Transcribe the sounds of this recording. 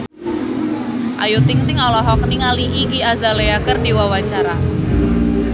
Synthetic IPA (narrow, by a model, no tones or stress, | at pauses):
ʔajut̪ɪŋt̪ɪŋɔlɔɦɔk̚niŋaliʔiɡiazaleakərdiwawat͡ʃaɾa